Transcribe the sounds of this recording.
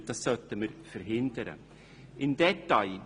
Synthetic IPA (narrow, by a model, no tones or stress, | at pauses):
t̪asœt̪ːəməɾfœɾɦɪnd̪əɾə̰ | ʔɪnd̪ɛt̪ːal